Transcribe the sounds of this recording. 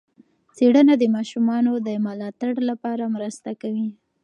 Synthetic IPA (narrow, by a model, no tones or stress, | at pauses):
t͡seɽənad̪əmɑʃumɑnod̪əmalɑt̪aɽlapɑɾamɾəst̪akawi